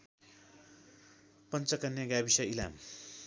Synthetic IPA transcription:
pʌnt͡sʌkanjaɡabisʌila̰m

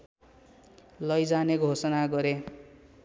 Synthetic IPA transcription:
lʌjd͡zaneɡʱosʌnaɡʌɾe

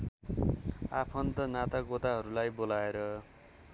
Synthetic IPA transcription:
apʰʌnt̪ʌnat̪aɡot̪aɦʌɾulajbolaeɾʌ

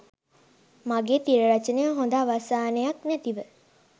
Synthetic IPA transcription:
maɡeːt̪iɾəɾat͡ʃənəjɦond̪aːʋasaːnəjaknæt̪iʋə

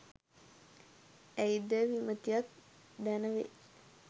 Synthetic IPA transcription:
æjid̪əʋimət̪ijat̪̚ | d̪ænəʋḛ

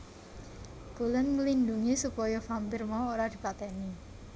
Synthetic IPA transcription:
b̥ulənŋəlind̪uŋisupɔjɔfampirmaoɾad̪̥i̤pat̪ɛni

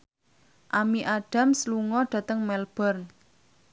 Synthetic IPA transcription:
ʔamiʔaɖ̥a̤msluŋɔɖ̥ä̤t̪əŋmɛlb̥ɔrn

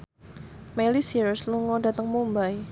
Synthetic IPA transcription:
melisiɾsluŋɔda̤t̪əŋmumbaj

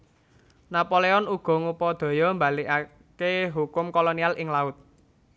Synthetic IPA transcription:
napoleɔnuɡ̥ɔ̤ŋupɔd̪̥ɔ̤jɔmba̤lia | keɦukʊmkolonialɪŋlaʊt̪̚

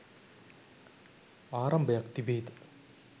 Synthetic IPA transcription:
aːɾɐmbjakt̪ibeːt̪

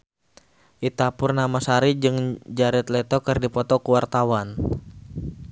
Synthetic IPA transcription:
ʔit̪apʊrnamasaɾid͡ʒɨŋd͡ʒaɾɛt̪lɛt̪ɔkɨrdipɔt̪ɔkuwart̪awan

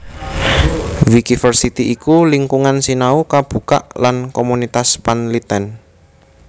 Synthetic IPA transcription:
wikifərsit̪iʔikuliŋkuŋansinaukab̥ṳka̰ʔlankomunit̪aspanlit̪ɛn

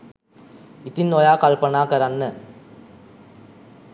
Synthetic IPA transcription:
it̪inːojaːkɐɭpɐnaːkɐɾɐnːɐ

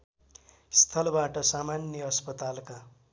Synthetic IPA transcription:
st̪ʰʌlbaʈʌsamanjʌʌspʌt̪alka

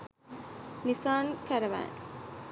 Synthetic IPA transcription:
nisaːŋkæɾɐʋæ̰ː

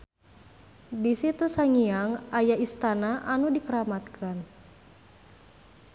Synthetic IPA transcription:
disit̪usaŋiaŋʔajaist̪anaʔanudikəɾamat̪̚kʰan

